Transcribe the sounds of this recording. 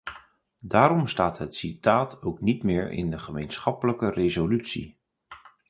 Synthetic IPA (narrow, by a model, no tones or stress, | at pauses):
daːɾɔmstaːtɦətsitaːtʰowknitmɪːɹɪ̰ndəχəmejnsχɑpələkərezolytsḭ